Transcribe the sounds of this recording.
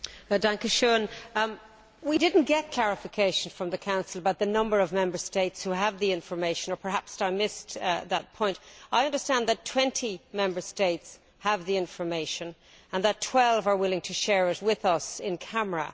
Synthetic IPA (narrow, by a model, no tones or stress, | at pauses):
dæ̃ŋkɨʃõn | widɪdⁿn̩ɡ̥ɛt̚kʰl̥æɹɨfɨkʰeɪʃn̩fɹʌ̃mðɨkʰãʊ̃nsəl̩ˠbaʊt̪̚ðɨnʌ̃mbə˞ʌvmɛ̃mbə˞steɪtshuəvðiɪ̃ɱfə˞meɪʃɨ̃nə˞pʰə˞ɦæpsaɪmɪsðət̚pʰɔ̃ɪ̃ntaɪʌ̃ndə˞stæ̃nðɨtʰw̥ɛ̃ntʰimɛ̃mbə˞steɪts | həvðiɪ̃ɱfə˞meɪʃɨ̃n | ə̃nðətʰw̥ɛlˠvə˞wɪlˠɪ̃ŋtʰɨʃɛɹɪt̚wɪðʌsɪ̃nkʰæmə˞ə̰